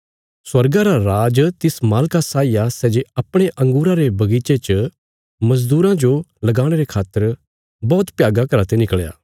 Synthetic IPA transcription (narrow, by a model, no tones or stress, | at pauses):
swɐɾɡaɾaɾaːd͡ʒt̪ɪsmaːlkasaːijasɛːd͡ʒeɐpɽ̃eʔɐ̃ŋɡuːɾãɾebɐɡiːt͡ʃet͡ʃə | mɐzd̪uːɾãd͡ʒolɐɡaːɽ̃eɾekʰaːt̪ːəɾ | bɔːt̪pjaːɡakɐɾat̪enɪkɭja̰ː